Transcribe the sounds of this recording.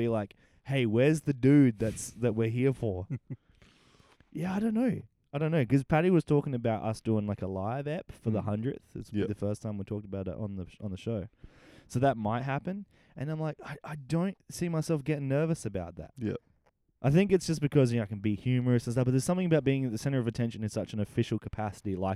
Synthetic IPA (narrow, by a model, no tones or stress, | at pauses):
bilaɪk | heɪwɛ˞zðɨdʉd̪̚ðɨtsðɨt̚wɪɹɦiɹfə˞ | jæaɪɾõʊ̃nːoʊ | aɪɾõʊ̃nːoʊkʌz̥pʰæɾiwʌz̥tʰɔkɪ̃ŋɨbaʊɾʔʌ̰sd̥ʉɪ̃ŋlaɪkəlaɪvɛpfə˞ðəɦʌ̃ndɹɨ̰θɨ̰tsðɨfɜ˞stʰãɪ̃mwitʰɔk̚təbaʊɾɨ̰ɾn̩ðən̩ðɨʃoʊsoʊðət̚maɪt̚ɦæpɨ̃n | ʔɨ̃ñãɪ̃mlaɪkaɪʔaɪdõʊ̃ntsimaɪsɛlˠfɡ̥ɛɾɪ̃ŋnɜ˞vɨsɨbaʊt̪̚ðæ̰t̚jæ̰ | ʔaɪθɪ̃ŋkɨtsd̥ʒ̥ʌsb̥ɨkʰʌzjaɪkɨ̃n̩bihjʉmə˞ɨsn̩sʌb̥ʌt̪̚ðə˞z̥sʌ̃mθɪ̃ŋɨbaʊt̚biɪ̃ŋðɨt̪̚ðɨsɛ̃ɾ̃ə˞ʌvɨtʰɛ̃nʃɨ̃nɨ̃z̥sʌt͡ʃɨ̃n̩ɨfɪʃl̩ˠkʰəpʰæsɨɾilaɪk̚